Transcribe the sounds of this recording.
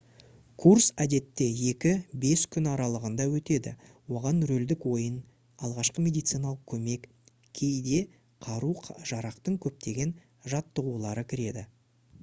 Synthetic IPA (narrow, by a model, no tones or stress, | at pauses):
kʰuɾsæd̪e̞t̪ːe̞je̞kʲɪbe̞skʲʰʏnɑɾɑlˠəʁənd̪ɑwɵt̪e̞d̪ɪ̰ | wo̞ʁɑnɾɵld̪ɪkwo̞jən | ɑlˠʁɑʃqəmʲe̞d̪ijt̪sɨjnɑlˠəqkʲʰɵme̞k | kʲʰe̞jd̪e̞ | qʰɑɾuqʰʒ̥ɑɾɑqt̪əɴkʲʰɵp̚t̪e̞ɡʲe̞n | ʒɑt̪ːəʁulˠɑɾəkʲʰɪɾe̞d̪ɪ